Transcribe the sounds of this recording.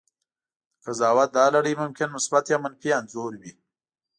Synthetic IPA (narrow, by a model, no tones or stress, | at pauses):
kazɑːwat̪̚d̪ɑːlaɽimʊmkɪnmʊsbat̪jamənfianzoːɾwi